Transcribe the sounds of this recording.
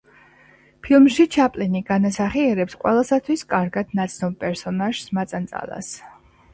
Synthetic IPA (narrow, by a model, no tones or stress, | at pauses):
pʰilˠmʃit͡ʃʰapʼliniɡ̥anasaχiɛɾɛpsqʼwɛ̰lˠasat̪ʰwiskʼaɾɡad̪̥nat̪sʰnɔbpʼɛɾsɔnaʒ̥smat̪sʼant̪sʼa̰lˠa̰s